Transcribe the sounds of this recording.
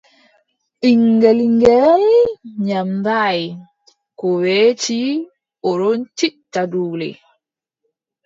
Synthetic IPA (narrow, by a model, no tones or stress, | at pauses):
ʔiŋɡeliŋɡɛlɲambaj | kɔwɛːt͡ʃi | ɔɾɔnt͡ʃitːaduːlɛ̰